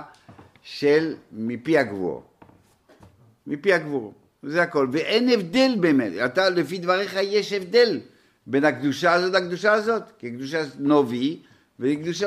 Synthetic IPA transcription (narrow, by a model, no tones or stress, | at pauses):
ʃelmipiaɡvṵʁ | mipiaɡvuʁ | zehako̞lveʔenevd̪e̞lbeːmḛt̪at̪alefid̪vaʁeχajeʃevd̪e̞l | be̞nhakd̪uʃaːzot̪hakd̪uʃaːzo̞t̪kekd̪uʃ̬anovi | vekd̪uʃa